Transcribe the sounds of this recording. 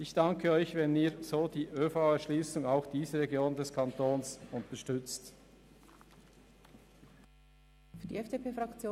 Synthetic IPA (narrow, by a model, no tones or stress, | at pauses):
ʔɪçd̥ɑŋkʰəœʏçvɛniːz̥oːd̥iːʔøːfaʊɛɐʃliːsʊŋaʊxd̥iːzəʁɛɡjoːndɛskʰɑntoːnsʊntəʃtʏt͡st | fyɐd̥iɛfd̥epeːfʁɑkt͡sjoː